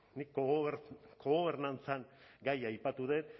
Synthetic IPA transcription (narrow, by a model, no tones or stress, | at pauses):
nik | koɣoβe̞ɾnant͡saŋɡajajpat̪uðet̪